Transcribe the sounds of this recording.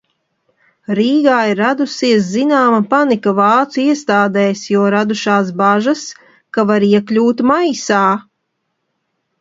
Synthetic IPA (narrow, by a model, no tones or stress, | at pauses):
ɾiːɡaːiɾːad̪usiɛs̬zinaːmapanikavɑːt̪suiɛst̪aːd̪ɛjsjɔɔɾad̪uʃaːs̬baʒas | kavaɾiɛklʲuːt̪majsaː